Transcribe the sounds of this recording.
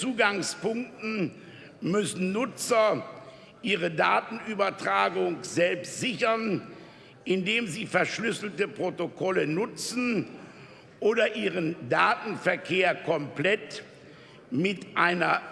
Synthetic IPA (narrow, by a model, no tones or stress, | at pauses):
t͡suːɡaŋspʊŋk̚tn̩ | mʏsn̩nʊt͡sɐ | ʔiːʁədaːtn̩yːbɐtʁ̥aːɡʊŋz̥ɛlpstz̥ɪçɐn | ʔɪndeːmziːfɛɐʃlʏsl̩təpʁ̥otokʰɔlənʊt͡sn̩ | ʔoːdɐʔiːʁ̞əndaːtn̩fɛɐkʰeːɐkʰɔmplɛt | mɪtʔaɪnɐ